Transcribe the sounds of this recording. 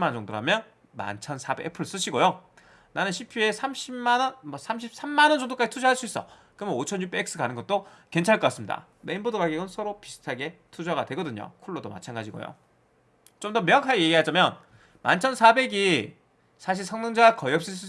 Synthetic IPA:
imand͡ʑʌŋdoɾamjʌn | ma̰nt͡ɕʰʌnsʰabeʔepʰɯɭs͈ɯɕʰiɡojo | nanɯnɕʰipʰie̞sʰamɕʰianʌnmʌsʰamɕʰip̚s͈ʰamːanʌnd͡ʑʌŋdok͈ad͡ʑitʰud͡ʑʌɦaɭs͈uis͈ʌ̰ | kɯmʌot͡ɕʰʌnɲjupek̚s͈ɯkanɯnŋɡʌt͈̚oke̞nt͡ɕʰaɭk͈ʌk͈as͈ɯmɲida̰ | me̞inbodoɡaɡiɡɯnsʰʌɾopisʰɯ̥tʰaɡe̞tʰud͡ʑaɡadwe̞ɡʌdɯɲo̰kʰuɭːodoma̰t͡ɕʰanɡad͡ʑiɡo̰jo̰ | t͡ɕomdʌmjʌŋakʰaɡeje̞ɡiɦad͡ʑamjʌn | ma̰nt͡ɕʰʌnsʰabe̞ɡi | sʰaɕ̬ʰiɭsʰʌŋnɯŋd͡ʑaɡakʌiʌp̚s͈ɯs͈ɯ

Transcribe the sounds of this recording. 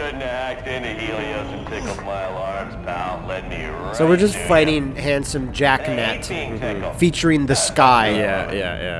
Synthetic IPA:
ʌdⁿnæk̚tɪ̃nɨhilˠioʊsɨ̃npʰɪkʌpmaɪl̩ˠɑɹmz̥bʰaʊ̃nlɛdⁿnḭ | soʊwɨɹd͡ʒʌstfaɪɾɪ̃ŋhæ̃nsɨ̃md͡ʒæknætm̩fit͡ʃə˞ɪ̃ŋðɨskaɪjæjæ̰jæ̰

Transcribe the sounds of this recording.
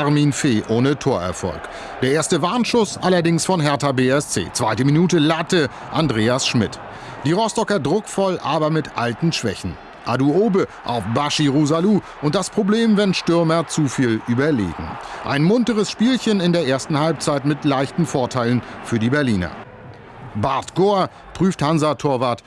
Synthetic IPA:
aʁmiːnfeːʔoːnətʰoːɐɛ̰ɐfɔ̰lk | d̥eːɐʔeːɐstəvaɐnʃʊsʔalɐdɪŋsfɔnɦɛɐtabeːɛst͡sḛːt͡sv̥aɪtəminuːtəlatə | ʔandʁeːasʃmɪt | d̥iːʁɔstɔkɐdʁʊkfɔlʔaːbɐmɪtʔaltn̩ʃv̥ɛ̰çn̩ | ʔaduʔoːbəʔa̰ʊfbaʃiʁuzaluː | ʔʊnt̚d̥aspʁ̥obleːmvɛnʃtʏɐmɐt͡sufiːlʔyːbɐlḛːɡŋ̩ʔa̰ɪnmʊntəʁəsʃpiːlçənɪndeːɐʔeːɐstn̩halp̚t͡saɪtmɪtlaɪçtn̩foːɐtʰaɪlənfyːɐdiːbɛɐliːnɐ̰ | baɐtɡ̥oɐ | pʁ̥yːfthanzatʰoːɐvaɐt

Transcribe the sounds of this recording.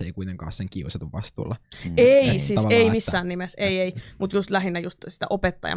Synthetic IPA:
eikuit̪eŋkɑ̰ːsseŋkiusɑt̪uʋʋɑst̪ṵːlːɑeisiːseimisːæːnnimeseieimut̪just̪læɦinːæjust̪si̥t̪æ̰ʔopet̪ːɑ̰jɑ̰

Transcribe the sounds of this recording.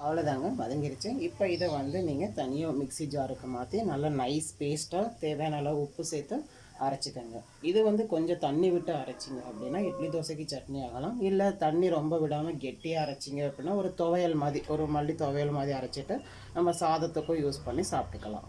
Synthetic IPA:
ɐʋɐlɐðaːŋɡɐmɐðɐŋɡɪɾɪt͡ʃːɯɪpːoːɪðɐʋɐnd̪ɯniːŋɡɐt̪ɐnɪjɐ̃mɪksid͡ʒaːɾɯkːɯmaːt̪ːinɐlːɐnɐɪspeːsʈaːt̪eːʋeːnɐlːɐʊpːɯseːt̪ːɯ | ɐɾɐt͡ʃːɪkːaːŋɡɐ | ɪðɯʋɐnd̪ɯkɔɲd͡ʒɔ̃t̪ɐɳːiʋɪʈːɯɐɾɐt͡ʃːɪŋɡɐɐpːɐɽɪnːaːɛpːɐɽid̪oːsɐk̬ːit͡ʃɐʈniaːɣɐlãːmɪlːɐt̪ɐɳːiɾɔmbɐʋɪɽaːmɐɡɛʈːɪjaːɐɾɐt͡ʃːɪŋɡɐɐpːɐɽɪnːaːɔɾɯt̪ɔʋɐjɐlmaːðɾiʔɔɾɯmɐlːit̪ɔʋɐjɐlmaːðɾiɐɾɐt͡ʃːɪʈːɯ | nɐmːɐsaːðɐt̪ːɯkːõjuːspɐɳːisaːpʈɯkːɐlã̰ː

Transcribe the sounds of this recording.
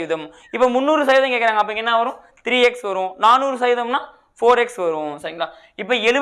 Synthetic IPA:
ðɐm | ɪpːomʊnːuːɾɯs̬ɐjʋɪðɐ̃keːkːɪɾaːŋɡɐpːɐɽɪŋɡɐɛnːaʋɐɾʊ̃ | t̪ɪɾiːɛksʋɐɾʊ̃naːnuːɾɯsɐjʋɪðɐmnaː | foːɾɛksʋɐɾʊ̃sɐɾɪŋɡɐɭaː | ɪpːoɛlɯ

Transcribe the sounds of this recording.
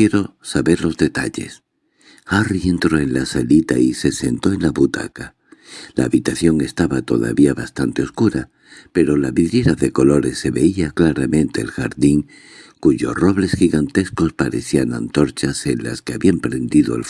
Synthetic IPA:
jeɾo̞saβe̞ɾlo̞zðe̞t̪aʎe̞s | arie̞nt̪ɾo̞e̞nlasalit̪aise̞se̞nt̪o̞e̞nlaβut̪a̰ka | laːβit̪aθjo̞ŋe̞st̪aβat̪o̞̰ða̰βiaβast̪ant̪e̞o̞skuɾa | pe̞ɾo̞laβiðɾje̞ɾaðe̞ko̞lo̞ɾe̞sːe̞βe̞iaklaɾamẽ̞nt̪e̞̰ːlxa̰ɾðiŋ | kuʝo̞sro̞βle̞sxiɣant̪e̞sko̞spaɾe̞θianã̰nt̪o̞ɾt͡ʃase̞nla̰ske̞aβiampɾe̞nd̪iðo̞ḛlf

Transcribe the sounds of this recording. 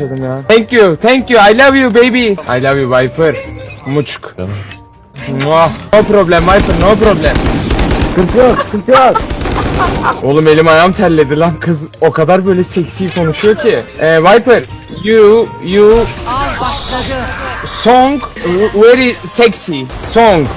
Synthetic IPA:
ad̪ɯmjaːt̪ʰæŋcjut̪ʰæŋcjuajlʲˠavjubejbia̰jlʲˠavjuvajpʰɯɾ̥mut͡ʃʰk | anopɾoblʲæmvajpɯɾnoːpɾoblʲæm | kɯɾtʰɯjoɾkɯɾp̪ɯjoɾ | o̞lˠume̞lʲimajamt̪ʰæɾlʲːed̪ilʲænkʰɯzo̞kʰad̪aɾbø̞jlʲɛsɛcsiːkʰo̞nuʃujo̞ɾcʰiɛvajpɯɾ | juju | soŋɡveɾisɛcsisoŋɡ

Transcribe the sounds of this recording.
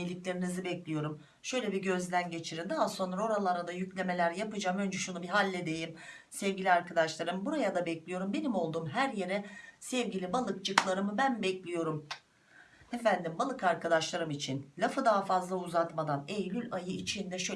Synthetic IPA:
ilʲiclʲe̞ɾinizɯbɛclʲijo̞ɾum | ʃø̞jlʲebiɟø̞zd̪ænɟe̞t͡ʃʰiɾind̪aɦaso̞nɾao̞ɾalˠaɾad̪ajyclʲe̞me̞lʲæɾjapɯd͡ʒaːmø̞nd͡ʒɛʃunubiɦalʲːed̪e̞jim | sɛvɟʲilʲiaɾkad̪aʃlˠaɾɯmbuɾajad̪abɛclʲijo̞ɾumbe̞nimo̞lˠd̪uːmɦæɾje̞ɾɛsɛvɟilʲibalˠɯkt͡ʃɯklˠaɾɯmɯbænbɛclʲijo̞ɾum | efænd̪imbalˠɯkaɾkad̪aʃlˠaɾɯmit͡ʃʰinlʲafɯd̪aɦafazlˠauzat̪mad̪anejlʲylʲajɯit͡ʃʰind̪ɛʃø

